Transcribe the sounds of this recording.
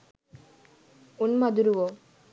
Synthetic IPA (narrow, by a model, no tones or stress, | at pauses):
unmɐd̪uɾuʋo